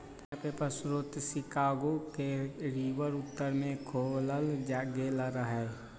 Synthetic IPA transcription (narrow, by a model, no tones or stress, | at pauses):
tapepəsɾʊt̪sɪkaːɡokeɾiːʋəɾʊt̪ːəɾmẽkʰoːləld͡ʒaːɡeləɾəɦɛː